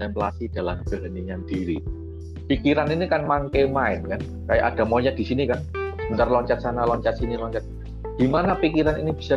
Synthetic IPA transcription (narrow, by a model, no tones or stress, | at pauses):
ɛmpla̰sid̥a̤lamb̥əɦaniɲadiɾi | pikiɾaninikanmaŋkejmaɪnkan | kaja̰ʔad̥a̤mɔɲat̪̚d̥isinikansəmənt̪arlɔɲt͡ʃat̪̚sanalɔɲt͡ʃat̪̚sinilɔɲt͡ʃat̪̚ | d̥i̤manapikiɾanḭnib̥i̤̥sa